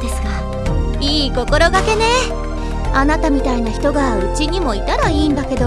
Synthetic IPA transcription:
d̪e̞sɨ̥ɡa | iːko̞ko̞ɾo̞ɡake̞ne̞ | anat̪amʲit̪ainaçʲi̥t̪o̞ɡaɯ̟t͡ɕiɲ̟imo̞it̪aɾaiːnd̪ake̞d̪o̞

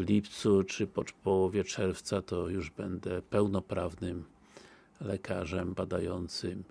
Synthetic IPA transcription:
lʲipt̪sut͡ʂɘpɔpɔwɔvʲjɛt͡ʂɛɾft̪sat̪ɔjuʐbɛnd̪ɛpɛwnɔpɾavnɘm | lɛkʰaʐɛmbad̪ajɔnt̪sɪm

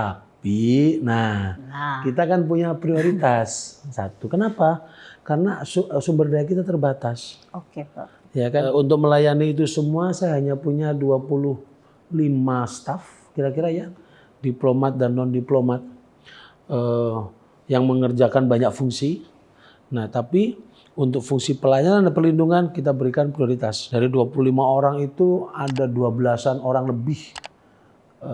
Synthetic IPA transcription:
apinahkit̪aːkanpuɲapɾioɾit̪asːa̰t̪ukənapakarənassumbərdajak̬it̪at̪ərbat̪as | oke | jakaunt̪ʊk̚məlajaniːt̪̬usəmuasajaɦaɲapuɲaduapulʊh | limast̪af | kiɾakiɾaja | diplomat̪̚danːɔndiplomat̪̚ | ə | jaŋməŋərd͡ʒakanbaɲak̚fuŋsi | naht̪api | unt̪ʊk̚fuŋsipəlajaɾanpərlinduŋankit̪̬abəɾikanpɾioɾit̪asdaɾiduapuluhlimaoɾaŋit̪uadaduabəlasanoɾaŋləbɪh | ə

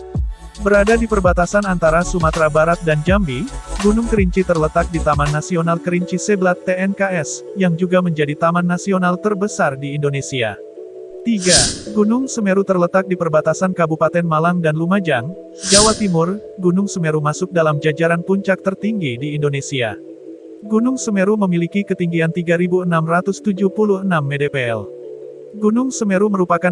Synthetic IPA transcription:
bəɾadadipərbat̪asanant̪aɾasumat̪ɾabaɾat̪̚dand͡ʒambiɡunʊŋkəɾiɲt͡ʃit̪ərlət̪ak̚dit̪amanːasionalkəɾiɲt͡ʃiseblat̪ːeɛnkaɛsjaŋd͡ʒuɡaməɲd͡ʒadit̪amanːasionalt̪ərbəsardiːndonesia̰ | t̪iɡaɡunʊŋsəmeɾut̪ərlət̪ak̚dipərbat̪asankabupat̪ɛnmalaŋdanlumad͡ʒaŋ | d͡ʒawat̪imʊrɡunʊŋsəmeɾumasʊk̚dalamd͡ʒad͡ʒaɾanpuɲt͡ʃak̚t̪ərt̪iŋɡidiːndonesia̰ | ɡunʊŋsəmeɾuməmilikikət̪iŋɡiant̪iɡaɾibuənamrat̪ʊst̪ud͡ʒupuluhənamːedepeɛ̰l | ɡunʊŋsəmeɾuməɾupaka

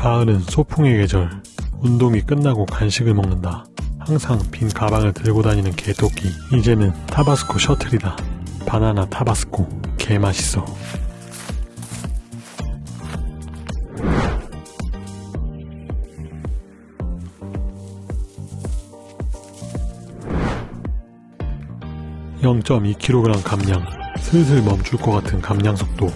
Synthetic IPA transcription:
paɯnɯnsʰopʰuŋe̞ɡe̞d͡ʑʌɭundoŋik͈ɯnːaɡokanɕʰiɡɯɭmʌŋnɯnda | haŋsʰaŋpinkabaŋɯɭtɯɭɡodaɲinɯnketʰokʰiid͡ʑe̞nɯntʰabasʰɯ̥kʰoɕʰʌtʰɯɾidapananatʰabasʰɯ̥kʰokʰe̞maɕʰi̥s͈ʰʌ | jʌŋt͡ɕ͈ʌmikʰiɾoɡɯɾamkamɲaŋsʰɯs̬ʰɯɭmʌmt͡ɕ͈uɭk͈ʌkatʰɯnkamɲaŋsʰʌk̚t͈o

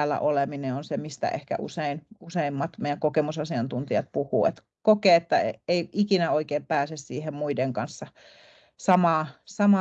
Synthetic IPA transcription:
lːæ̰ʔolemineonsemist̪æ̰ʔḛhkæ̰ʔṵseinuseimːɑt̪meijæŋkokemusɑsiɑnt̪unt̪iɑt̪̚puhuːḛt̪ | kokeːet̪ːæḛeiikinæoikeːmpæːsessiːhemmuideŋkɑnsːɑ | sɑmɑːsɑmɑ

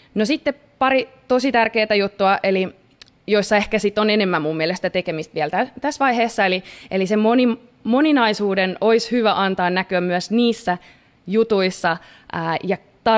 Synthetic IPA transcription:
nosit̪ːe | pɑɾit̪osit̪ærkeːt̪æjut̪ːuɑʔeli | joisːɑehkæsit̪ːonenemːæmmumːiɛlest̪æt̪ekemist̪ʋiɛlt̪æt̪æsʋɑiheːsːɑeliʔelisemmonim | moninɑisuːdenoishyʋæʔɑnt̪ɑːnnækyæmmyæsniːsːæ | jut̪uisːɑ | ʔːjɑ | t̪ɑ

